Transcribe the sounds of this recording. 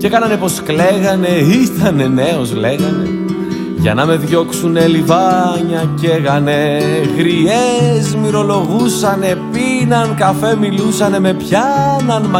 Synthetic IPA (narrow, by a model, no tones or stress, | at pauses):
ce̞kɐnɐne̞po̞skle̞ɣɐne̞iθɐne̞ne̞ozle̞ɣɐne̞ | ʝɐ̰nɐme̞ðʝo̞ksunelivɐɲɐce̞ɣɐne̞ɣɾiezmiɾo̞lo̞ɣusɐne̞pinɐnkɐfe̞milusɐne̞me̞pçɐnɐnmɐ